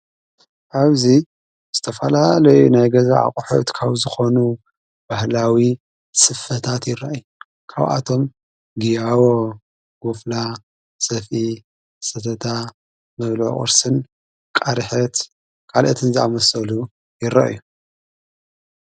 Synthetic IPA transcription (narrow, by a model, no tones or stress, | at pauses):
ʔaβzi | z̥ɨt̪ʰɐfɐlalɐjunajɡɐzaa̰qʼħṵt̪kʰaβzɨxo̞nu | b̥ahlawi | sʼɨfɐt̪ʰat̪jɪɾaʔju | kʰa̰βʔa̰t̪ʰo̞m | ɡijawo | ɡ̥ufla | sɐfʔi | sɐt̪ʰɐt̪ʰa | mɐβlʕo̰χʼɨ̰ɾsɨn | kʼaɾħɐt̪ | kʰʼalʔɐt̪ʰɨnzɨʔamɐsɐlu | jɪɾa̰ʔju